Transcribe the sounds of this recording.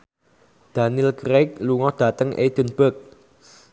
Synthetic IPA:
d̪̥a̤niɪlkɾek̚luŋɔd̪̥ä̤t̪əŋʔḛd̪̥ə̤nb̥ək̚

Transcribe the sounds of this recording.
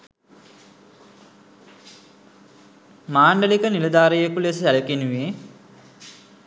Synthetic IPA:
maːɳɖəlikənilɐd̪aːɾijekules̬iæləkinuʋe

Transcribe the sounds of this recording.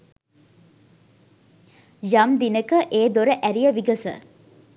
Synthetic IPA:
jɐmd̪inəkəʔeːd̪oɾəʔæɾijəʋiɡəsə̰

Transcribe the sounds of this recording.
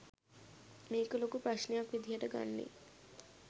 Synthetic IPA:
mekolokupɾaʂnijakʋid̪ʱjaʈəɡa̰nːḛ

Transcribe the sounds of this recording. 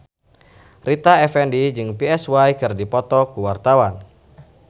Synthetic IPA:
rit̪aɛfɛndid͡ʒɨŋpiɛswajkɨrdipɔt̪ɔkuwart̪awan

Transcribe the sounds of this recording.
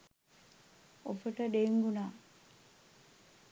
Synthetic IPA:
ofəʈəɖeŋɡunaː

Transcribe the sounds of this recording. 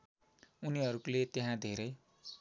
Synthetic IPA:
uniɦʌɾuklet̪eɦãd̪ʱeɾʌj

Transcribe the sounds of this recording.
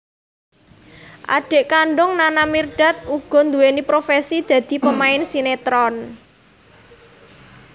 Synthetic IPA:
ʔa̰ɖ̥e̤ʔkaɳɖʊŋnanamirɖ̥a̤t̪̚uɡ̥ɔ̤nd̪uwenipɾofesid̪̥ä̤d̪̥i̤pəmaɪnsinet̪ɾɔn

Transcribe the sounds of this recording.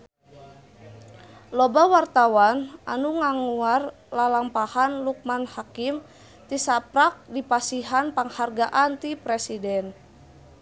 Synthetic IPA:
lɔbawart̪awanʔa̰nuŋaŋuar | lalampahanluk̚manhakim | t̪isapɾak̚dipasiɦanpaŋharɡaʔant̪ipɾɛsidɛn

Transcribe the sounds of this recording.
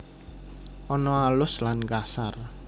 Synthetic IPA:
ʔɔnɔalʊslanɡasar

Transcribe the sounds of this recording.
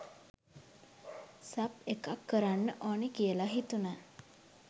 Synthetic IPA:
sapekakːəɾaɳːəʔɔɳikijelaɦit̪una

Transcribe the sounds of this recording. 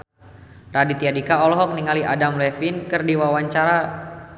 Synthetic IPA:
radit̪iadikaɔlɔɦɔk̚niŋaliʔadamlɛfinkɨrdiwawaɲt͡ʃaɾa

